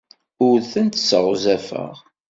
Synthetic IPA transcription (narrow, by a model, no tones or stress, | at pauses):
ʊɾθənt̪səʁzæfə̰ʁ